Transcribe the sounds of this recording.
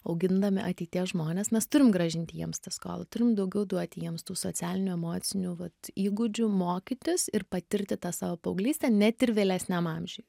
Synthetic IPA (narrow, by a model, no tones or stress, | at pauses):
ɐʊɡʲɪnd̪ɐmʲɪʔɐt̪ʲɛɪt̪ʲiɛsʒmoːnʲesmʲɛst̪ʊɾʲɪmɡɾɐʒʲɪnʲt̪ʲɪjḭɛmst̪ɐsko̰ːlˠɐt̪ʊɾʲɪmd̪ɐʊɡʲɛʊd̪uɔt̪ʲɪjiɛmst̪uːsoːt͡s̪ʲæːlʲɪnʲʊɛmoːt̪sʲɪnʲuːʋɐt̪iːɡʊd͡ʒʲʊmoːkʲɪt̪ʲɪsɪrpɐt̪ʲɪɾʲt̪ʲɪt̪ɑːsɑːʋopɐʊɡlʲiːsʲt̪ʲɛnʲɛt̪ɪɾʋʲeːlʲæsʲnʲæmɑːmʲʒʲʊj